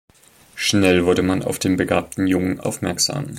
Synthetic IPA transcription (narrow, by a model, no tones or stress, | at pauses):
ʃnɛlvʊɐɾəmanʔa̰ʊfd̥eːnbəɡaːp̚tn̩jʊŋənʔa̰ʊfmɛɐkz̥a̰ːm